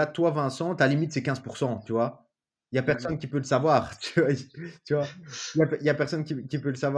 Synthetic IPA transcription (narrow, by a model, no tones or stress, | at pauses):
at̪wavɛ̃sɑ̃t̪alimit̪sɛkʲɛ̃zpuʁsɑ̃t̪yvwa | japɛʁsɔnkʲipøləsavwaːʁt̪yvwat̪yvwajapɛijapɛʁsɔnkʲikʲipøləsavw